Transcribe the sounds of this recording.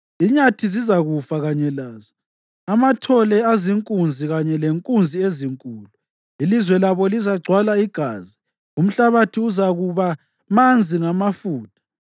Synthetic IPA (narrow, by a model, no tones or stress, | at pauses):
iɲatʰizizaɣufaɣaɲɛlaːzɔ | amatʰɔlɛaziŋkʼund͡zʱiɣaɲɛleŋkʼund͡zʱieziŋkʼuːlu | ilizwɛlaβɔlizaɡ͡ǀʱwalaiɡ̥ʱa̰ːzi | um̩ɬaβatʰiuzaɣuβa | mand͡zʱiŋamafuːtʰʼḁ